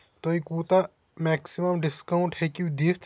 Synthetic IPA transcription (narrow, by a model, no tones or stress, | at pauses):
t̪oːikuːt̪a | mɛːksiməmɖɪskaʊɳʈhɛkiud̪ist̪